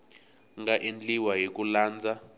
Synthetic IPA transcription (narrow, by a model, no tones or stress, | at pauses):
ŋɡaʔind͡ɮiwajek̬ulaːnd͡zʱa